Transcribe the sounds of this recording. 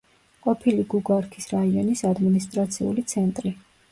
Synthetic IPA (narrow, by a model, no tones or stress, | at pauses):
qʼɔpʰiliɡuɡaɾkʰi̥sɾaiɔnisad̪minist̪ʼɾat̪sʰiṵlit̪sʰɛnt̪ʼɾi